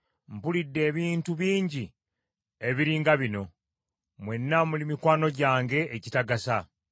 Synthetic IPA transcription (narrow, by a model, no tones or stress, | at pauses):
m̩pulidːe̞ːβiːntuβiːɲɟi | e̞βiɾiːŋɡaβino̞ | mwe̞nːamulimikwaːno̞ɟaːŋɡe̞ʔːcitaɡasa